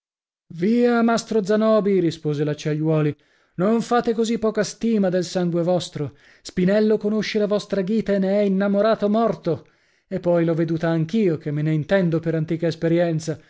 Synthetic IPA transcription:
viːamast̪ɾod̪zanɔːbiɾispoːzelat͡ʃːaʎːwɔːli | noɱfaːt̪ekozipːɔːkast̪iːmad̪elsaŋɡwevɔst̪ɾo | spinɛlːokonoʃːelavɔst̪ɾaɡiːt̪aenːeɛinːamoɾaːt̪omɔrt̪o | epːɔjloved̪uːt̪aːŋkiːokemːeneint̪ɛnd̪opeɾant̪iːkaespeɾjɛnt̪sa

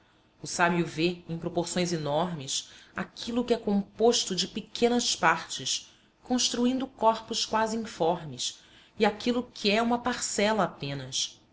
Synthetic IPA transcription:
ʊsabjuveẽj̃pɾopoɾsõj̃zenɔɾmɪsakʰilʊkɪɛkõmpoʃt̪ʊd͡ʒɪpekʰẽnɐspaɾt͡ʃɪs | kõʃt̪ɾuĩnd̪ʊkɔɾpʊskwazɪĩfɔɾmɪs | iakʰilʊkʰiɛũmɐpaɾsɛlɐːpẽnɐs

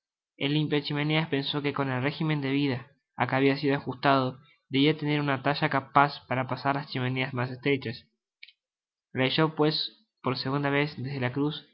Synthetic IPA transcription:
ḛlimpjoet͡ʃimeneaspe̞nso̞keko̞ne̞lre̞ximẽ̞nd̪eβ̞iðaː | keaβiasiðoaxust̪að̞o | ðeβiat̪ene̞ɾunat̪aʃakapaspaɾapasaɾlast͡ʃimeneazmas̬est̪ɾet͡ʃas | reʃopwes | po̞ɾseɣund̪aβesðe̞zðelakɾus

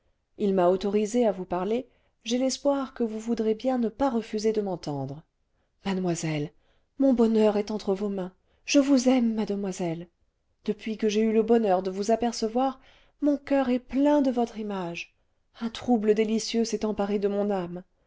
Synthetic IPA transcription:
ilmaot̪ɔʁizeavupaʁle | ʒelɛspwaʁkəvuvud̪ʁebjɛ̃nəpaʁəfyzed̪əmɑ̃t̪ɑ̃d̪ʁə | mad̪mwazɛl | mɔ̃bɔnœʁɛt̪ɑ̃t̪χəvomɛ̃ | ʒ̥əvuzɛmːad̪əmwazɛl | d̪̥əpɥikəʒeyləbɔnœʁd̪əvuzapɛʁsəvwaʁ | mɔ̃kœʁɛplɛ̃d̪əvɔt̪χimaʒ | ɛ̃t̪χubləd̪elisjøsɛt̪ɑ̃paʁed̪əmɔ̃nam

